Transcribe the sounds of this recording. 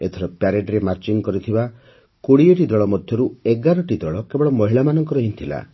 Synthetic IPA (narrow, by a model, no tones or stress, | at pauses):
et̪ʰɔɾɔpjaɾeɖɾemaɾt͡ʃiŋkɔɾit̪ʰiba | koɽieʈid̪ɔɭɔmɔd̪ʱjɔɾueɡaɾɔʈid̪ɔɭɔkebɔɽɔmɔɦiɭamanɔŋkɔɾɔɦint̪ʰila̰